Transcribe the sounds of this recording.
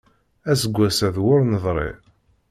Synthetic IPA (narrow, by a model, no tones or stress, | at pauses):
æsəɡʷːæsæðwʊɾnəðˤɾˤḛ